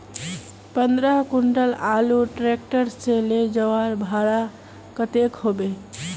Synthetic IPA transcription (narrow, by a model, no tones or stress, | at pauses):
pənd̪ɾəɦkuɳʈəlaluʈɾek̚ʈəɾseled͡ʒəʋaɾbʱaɽa | kət̪ekɦobe